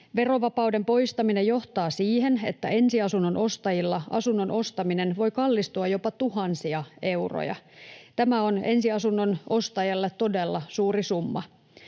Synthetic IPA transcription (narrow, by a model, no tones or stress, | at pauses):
ʋe̞ro̞ʋɑpɑwde̞mpo̞jst̪ɑminejo̞ht̪ɑːsiːhe̞nḛt̪ːæe̞nsiɑsunːonʔo̞st̪ɑjilːɑʔɑ̰sunːono̞st̪ɑmine̞nʋo̞jkɑlːist̪uɑjo̞pɑt̪uɦɑnsiɑe̞uro̰jɑ̰t̪æmæo̞ne̞nsiɑsunːono̞st̪ɑjɑlːet̪t̪ːo̞de̞lːɑsuːrisumːɑ